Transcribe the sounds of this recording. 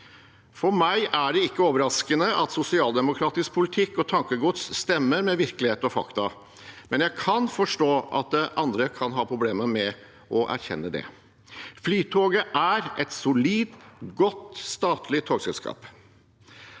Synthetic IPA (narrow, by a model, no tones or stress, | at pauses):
fɔɾmæɪʔæɖɛɪkːəoːʋəɾɑskənəʔɑt̪sʊsɪɑːld̪ɛmʊkʰɾɑːt̪ɪsk̚pʰʊlɪt̪ʰɪkːɔt̪ʰɑŋkəɡʊt̪sːt̪ɛmːəɾmɛʋɪɾkəlɪheːt̪ɔfɑ̰kt̪ɑ | mɛnjæɪkʰɑnfɔʂʈoːʔɑ̰t̪̚d̪ɛʔɑnd̪ɾəkʰɑnɦɑːpʰɾʊbleːməmɛ | ʔɔʔæ̰ɾçɛ̰nːəd̪ɛ̰ | flyːt̪ʰoːɡəʔæɾʔɛt̪sʊliːd̪ɡɔt̪ːst̪ɑːt̪ʰlɪt̪ʰoːɡsɛlskʰɑ̰ːp